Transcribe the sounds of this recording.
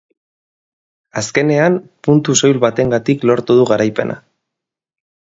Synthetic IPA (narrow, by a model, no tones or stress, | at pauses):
aske̞ne̞ampunt̪uso̞jlβat̪e̞ŋɡat̪iklo̞ɾt̪uðuɣaɾajpe̞nʔa̰